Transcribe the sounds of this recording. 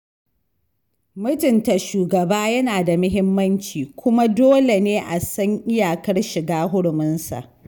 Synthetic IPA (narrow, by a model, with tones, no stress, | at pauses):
mʊ˦tʊ˨nta˨ʃuː˨ɡɐ˨baː˦jɐ˦naː˨da˨mʊ˦ɦɪ˦mːɐ˦nt͡ʃiː˨kʷʊ˦ma˦doː˦le˨neː˦ʔa˨sɐ˦ŋʔɪ˦jaː˨kɐ˦rʃɪ˨ɡaː˦ɦʊ˦ɽmʊ˦nsa̰˨ʔ